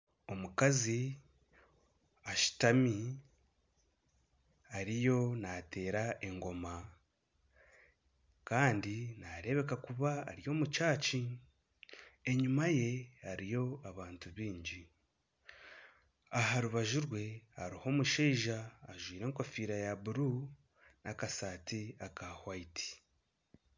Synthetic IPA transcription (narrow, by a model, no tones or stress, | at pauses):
o̞mukazi | aʃi̥tami | aɾijo̞nate̞ːɾaʔe̞ŋɡo̞ma | kaːndinaɾe̞βe̞kakuβa̰ːɾijo̞ːmut͡ʃaːt͡ʃi | eɲumaje̞aɾijo̞aβaːntuβiːɲɟi | aɦaɾuβaʒuɾwe̞a̰ɾiho̞ːmuʃeiʒaːʒwiːɾe̞ːŋko̞fiːɾajaβuɾu | nakasaːtiakahwaitʰi̥